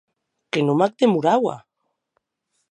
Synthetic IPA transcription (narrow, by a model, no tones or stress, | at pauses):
kenomak̚t̪emuɾawa̰